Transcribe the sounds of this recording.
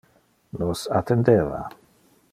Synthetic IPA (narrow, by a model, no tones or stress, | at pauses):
nosat̪end̪eːva̰